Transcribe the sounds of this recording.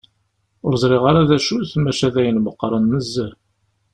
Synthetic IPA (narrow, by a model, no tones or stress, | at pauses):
ʊɾzˤɾˤiʁaɾaðæʃuθmæʃæðæjənməqːɾˤənːəzːəɾ